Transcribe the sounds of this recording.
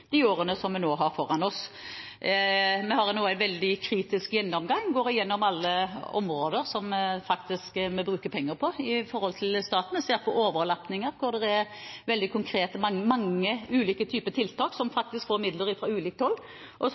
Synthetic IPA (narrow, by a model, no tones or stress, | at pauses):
d̪̥ɪoːɾənəsɔmmɛnoːɦɑɾfɔɾɑnɔs | mɛhɑɾnoːæɪʋɛld̪ɪkʰɾiːt̪ɪskjɛnːɔmɡɑŋɡoːɾɪjɛnːɔmɑlːəɔ̰mɾoːd̪əɾsɔmfɑkt̪ɪskmɛbɾʉːkəpʰɛŋːəɾpʰɔɪfɔɾhɔlt̪ʰɪlst̪ɑːt̪ənəseːɾpʰɔʔoːʋəɾlɑpnɪŋəɾkʰʊɾd̪ɛʁæɾ | ʋɛld̪ɪkʰʊŋkʰɾeːt̪əmɑŋmɑŋːəʉːliːkət̪ʰyːpət̪ʰɪlt̪ʰɑːksɔmfɑk̚t̪ɪskfoːɾmɪd̪ləɾɪfɾɑʉːliːkt̪ɔlː | ʔɔ